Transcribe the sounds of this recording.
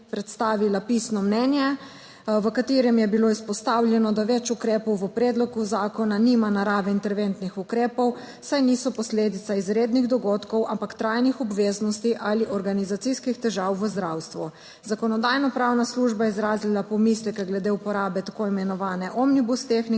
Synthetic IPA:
pɾɛt̪st̪aːʋilapisnɔmnɛːnjɛ | ʋəkat̪eːɾɛmjɛbiloispɔst̪awlʲjɛnɔd̪aʋɛt͡ʃukɾeːpɔwʋəpɾeːd̪lɔɡuzaːkɔnanimanaɾaːʋɛint̪ɛɾʋent̪nixukɾeːpɔw | sajniːsɔpɔsleːd̪it̪saizɾeːd̪niɣd̪ɔɡot̪kɔwampakt̪ɾajnixɔbʋeːznɔst̪iʔaliʔɔɾɡanizat̪siskixt̪ɛʒawʋəzd̪ɾawst̪ʋu | zakɔnɔd̪ajnɔpɾawnasluʒbaɛizɾaːzlilapɔmislɛkɛɡlɛd̪eupɔɾaːbɛt̪akoimɛnɔʋaːnɛʔɔmnibust̪exni

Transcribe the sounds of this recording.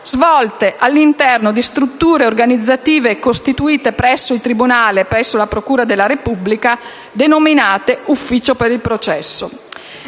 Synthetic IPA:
z̥vɔlt̪eʔalːint̪ɛrnod̪ist̪ɾut̪ːuːɾeorɡanid̪zːat̪iːvekost̪it̪uiːt̪epɾɛsːoilt̪ɾibunaːlepɾɛsːolapɾokuːɾad̪elːaɾepubːlika | d̪enominaːt̪eufːiːt͡ʃopeɾilpɾot͡ʃɛsːo

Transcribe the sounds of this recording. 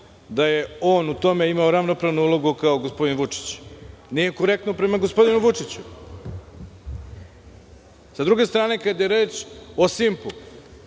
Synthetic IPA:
d̪aje̞o̞ːnut̪o̞me̞imaoɾaʋnopɾaʋnuulo̞ɡukaoɡospo̞d̪inʋut͡ʂi̥t͡ɕnije̞ko̞ɾe̞k̚t̪nopɾe̞maɡo̞spo̞d̪inuʋut͡ʂit͡ɕu | sad̪ɾuɡe̞st̪ɾaːne̞kad̪jeɾe̞ːt͡ʃo̞simpu

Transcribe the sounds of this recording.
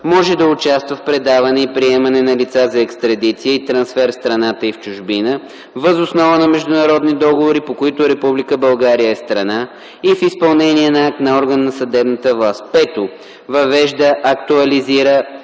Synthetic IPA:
mɔʒɛd̪ɐʊt͡ʃast̪vəfpɾɛd̪avɐnɛipɾiɛmɐnɛnɐlit̪sazɐɛkst̪ɾɐd̪it̪sijəit̪ɾɐnsfɛɾfst̪ɾɐnat̪əift͡ʃʊʒbinə | vəzʊsnɔvənɐmɛʒd̪ʊnɐɾɔd̪nid̪ɔɡovoɾipokoit̪ʊɾɛpublikəbɐlˠɡaɾijəɛst̪ɾɐna | ifispɐlˠnɛniɛnɐak̚t̪nɐɔɾɡənːɐsɐd̪ɛbnət̪əvlˠast̪̚pɛt̪o | vɐvɛʒd̪əʔːkt̪uɐliziɾə

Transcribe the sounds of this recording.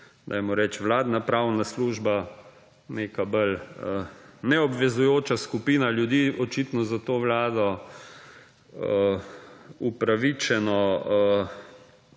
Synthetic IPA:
d̪̥a̰jmɔɾɛt͡ʃʋlaːd̪napɾawnasluːʒba | nekabələnɛɔbʋɛzujoːt͡ʃaskupiːnaljud̪iːɔt͡ʃit̪nɔzat̪oːʋlaːd̪ɔ | upɾaʋit͡ʃɛnɔə

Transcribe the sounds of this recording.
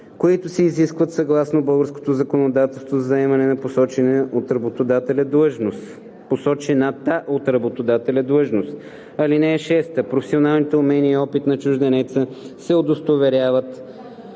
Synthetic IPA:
koit̪ʊsɛːziskvət̪sɐɡlˠasnobɤlˠɡəɾsko̥t̪ozɐkonod̪at̪ɛlˠst̪vozɐzɐɛmɐnɛnɐposɔt͡ʃɛnɛot̪ɾɐbot̪od̪at̪ɛlʲɐd̪lɤʒnos | posɔt͡ʃɛnat̪aʔot̪ɾɐbot̪od̪at̪ɛlʲɐd̪lˠɤʒnost̪ | ɐlinɛːʃɛst̪əpɾofɛ̥sionalˠnit̪ɛʊmɛniəiɔpit̪nɐt͡ʃuʒd̪ɛnɛt̪səsɛod̪ost̪ovɛɾʲjavət̪

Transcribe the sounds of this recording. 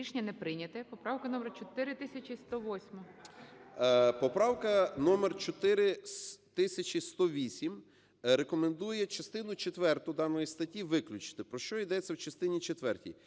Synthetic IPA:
iʃnʲɐnɛpɾɪnʲɐt̪ɛpɔpɾɑwkɐnɔmert͡ʃɔt̪ɪɾɪt̪ɪsʲɐt͡ʃʲist̪ɔʋɔsʲmɔ | pɔpɾɑwkɐnɔmert͡ʃɔt̪ɪɾɪt̪ɪsʲɐt͡ʃʲist̪ɔʋʲisʲim | ɾekɔmend̪ujɛt͡ʃɐst̪ɪnʊt͡ʃet̪ʋɛrt̪ʊd̪ɑnɔjist̪ɐtʲiʋɪklʲʊt͡ʃɪ̥t̪ɪpɾɔʃt͡ʃɔid̪ɛt͡sʲːɐwt͡ʃɐst̪ɪnʲit͡ʃet̪ʋɛrtʲḭj

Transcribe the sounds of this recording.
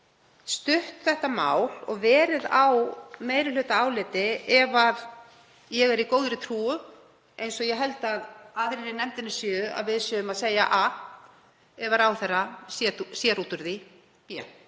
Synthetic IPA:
st̪ʏht̪θɛht̪ama̰ːwlɔɣvɛːɾɪðawmeːjɾɪlʏt̪aaːwlɪt̪ɪɛvað | jɛɣɛɾikoːwðɾɪt̪ʰɾuːʏ | ejnsɔjɛɦɛlt̪aðaðɾɪɾɪnɛmt̪ɪnːɪsjʏːa̰ðvɪðsjʏʏmaðseːja̰ʔa | ɛvaɾawθɛrasjɛsjɛɾuːt̪ʏɾði | pjɛ̰

